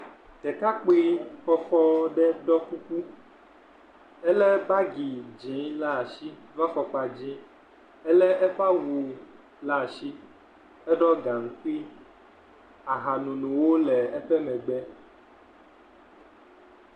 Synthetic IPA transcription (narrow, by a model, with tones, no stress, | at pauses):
tɛ˨ka˦k͡pi˦fɔ˦fɔ˦ɖɛ˦ɖɔ˦ku˦ku˦ | ɛ˦lɛ˦ba˦ɡi˨d͡ʒĩ˨˦la˦a˨ʃi˦va˦fɔ˨k͡pa˨d͡ʑĩ˦ | ɛ˦lɛ˦ʔɛ˦ɸa˦wu˨ | la˦˨ʃi˦ | ɛ˦ɖɔ˦ɡã˨ŋ̩˨ki˦ | a˨ɦa˨nũ˨nũ˨wo˦lɛ˨ɛ˦ɸɛ˦mɛ̃˨ɡ͡bɛ˦